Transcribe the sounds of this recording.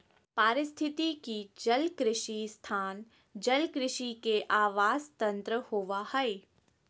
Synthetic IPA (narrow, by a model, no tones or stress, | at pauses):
paːɾɪst̪ʰɪt̪ikid͡ʒɐlkɾɪʃist̪ʰaːn | d͡ʒɐlkɾɪʃikeʔaːʋaːzt̪ɐ̃nt̪ɾəhoːʋahɛi